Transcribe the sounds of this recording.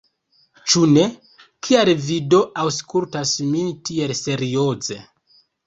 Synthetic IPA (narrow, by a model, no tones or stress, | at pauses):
t͡ʃune̞ | kʰialvido̞ʔawskultasmintie̞lse̞ɾio̞ze